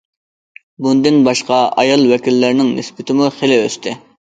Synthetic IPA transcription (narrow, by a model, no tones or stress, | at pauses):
bund̪ɪnbɑʃqɑɑ̰jɑlˠwɛkʲilːɪɾnɪŋnɪsbɪt̪ʰɪmuχelɪøst̪ʰɪ